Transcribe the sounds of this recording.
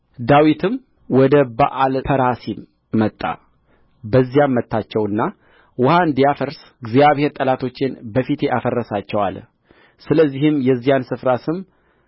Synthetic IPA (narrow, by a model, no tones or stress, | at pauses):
d̪awit̪ʰɨm | wɔd̪əbaʔalfʰəɾasi | mːət̪ʼːa̰ | bəzːijammːət̪ʰːat͡ʃːɛwɨnːa | wʊhaɨnd̪ijafəɾs | ɡzijaβheɾt̪ʼəlat̪ʰo̞t͡ʃːɪnbəfit̪ʰeʔafərːəsat͡ʃːɛwa̰l | sɨləzːihɨmjɛzːijansɨfɾasɨm